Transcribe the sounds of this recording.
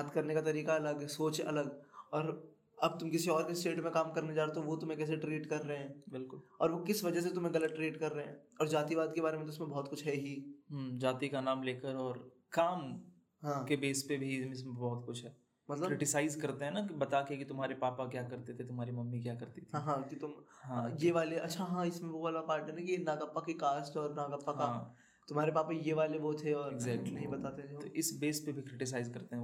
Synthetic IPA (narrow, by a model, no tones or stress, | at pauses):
aːt̪kɐɾnekat̪ɐɾiːkaɐləɡsoːt͡ʃɐ̰ləɡɔːɾ | ɐb̚t̪ʊmkɪsiɔːɾkesʈeːʈmẽkaːmkɐɾned͡ʒaːɾt̪eɦũʋot̪ʊmɦẽkɛːs̬eʈɾiːʈkɐɾːɐɦeɦɛ̃ːbɪlkʊlɔːɾʋokɪsʋɐd͡ʒəs̬et̪ʊmɦẽɡɐlət̪ʈːɾiːʈkɐɾːɐɦeɦɛ̃ːɔːɾd͡ʒaːt̪iʋaːd̪kebaːɾemẽt̪ʊɪsmẽbɔɦːt̪kʊt͡ʃʰɦɛɦiɦmd͡ʒaːt̪ikanaːmleːkəɾɔːɾ | kaːm | ɦãːkebeːspebʱimɪsbɔːt̪kʊt͡ʃʰɦɛː | mɐt̪ləɾɪʈɪsaːɪzkɐɾt̪eɦɛ̃nakibɐt̪aːkekit̪ʊmɦaːɾepaːpakjaːkɐɾt̪et̪ʰet̪ʊmɦaːɾimɐmːik̬jaːkɐɾt̪it̪ʰːɦãkit̪ʊmɦãjeʋaːleɐtːʃʰaɦãːɪsmẽʋoaːlapaːɾʈɛnãkienaːɡapːakikaːsʈɔːɾnaːɡapːakɦaãː | t̪ʊmɦaːɾepaːpajeʋaːleboːt̪ʰeɔːɾɪɡzɛːknɐɦĩbɐt̪aːt̪ẽt̪oʔɪsbeːspebʱikɾɪʈɪs̬aːɪzkɐɾt̪eɦɛ̃